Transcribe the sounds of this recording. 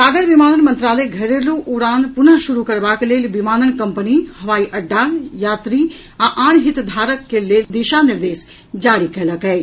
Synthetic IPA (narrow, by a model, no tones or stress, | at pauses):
aːɡəɾʋimaːnənmɐ̃nt̪ɾaːləjɡʱɐɾeluʔʊɾaːnpʊnəɦʃʊɾukɐɾbakeleːlʋimaːnənkɐmpənihɐʋaːiʔɐɖːajaːt̪ɾi | ãʔaːñɦɪt̪d̪ʱaːɾəkːeleːld̪eʃanɪɾd̪eːs | d͡ʒaːɽikɐləkɦɛː